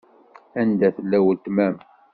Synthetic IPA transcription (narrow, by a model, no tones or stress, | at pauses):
ænd̪æθəlːæwət̪ːmæm